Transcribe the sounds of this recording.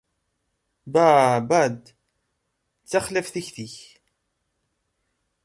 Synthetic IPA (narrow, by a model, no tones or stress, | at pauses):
bæbæd̪ | t͡sːæχlæfθiçθiç